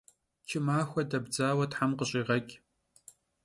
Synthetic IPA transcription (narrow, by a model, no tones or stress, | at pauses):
t͡ʃʰɪmaːxʷɐdɐbd͡zaːwɐtħamqəɕʼiːʁɐkʲʼ